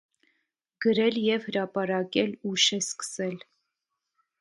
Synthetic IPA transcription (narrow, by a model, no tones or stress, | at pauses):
ɡ̥əɾɛljɛvhəɾɑpɑɾɑkɛluʃɛskə̥sɛl